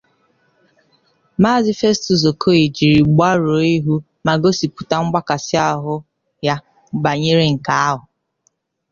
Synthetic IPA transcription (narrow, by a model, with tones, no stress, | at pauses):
ma˦˨zi˦fe˦stu˨z̬o˨kʰo˦i˨d͡ʒi˨ɾi˨ɡ͡ba˦ɾo˨˦i˦ɦu˦ | ma˨ɡo˦si˨pu˨ta˨ŋ͡m̩˦ɡ͡ba˦ka˨sɪ˦a˦ɦʊ˦ | ja˦ | ɡ͡ba˨ɲe˦ɾe˦ŋ̩˨ka˨a˦ɦʊ˨